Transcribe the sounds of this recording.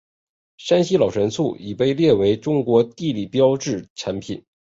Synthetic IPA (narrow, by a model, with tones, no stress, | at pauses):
ʂa˥nɕi˥lɑ˨˩ʊʂʰə˧˥nt͡sʰu˥˩i˨˩pe˥˧ɪljɛ˥˩we˧˥ɪʈ͡ʂʊ˥ŋkwɔ˧˥t̪i˥˧li˥˩pjɑ˥ʊʈ͡ʂɻ̩˥˩ʈ͡ʂʰa˧˥npʰi˨˩˦n